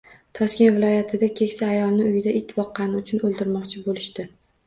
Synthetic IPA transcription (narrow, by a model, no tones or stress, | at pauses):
t̪ʰɒʃkʲe̞nt̪vɪlɒjat̪ʰɪd̪akʲʰe̞kʲsaːjɒlˠnɪʊjɪd̪aʔɪt̪ʰːbɒqːɑnɪʊt͡ʃʰʊnɵlˠd̪ɪɾmɒqt͡ʃʰɪbolɪʃt̪ɪ